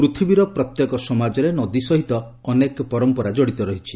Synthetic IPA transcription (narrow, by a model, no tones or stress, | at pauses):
pɾut̪ʰibiɾɔpɾɔt̪jɔkɔsɔmad͡ʒɔɾenɔd̪isɔɦit̪ɔː | nekpɔɾɔmpɔɾad͡ʒɔɽit̪ɔɾɔɦit͡ʃʰi̥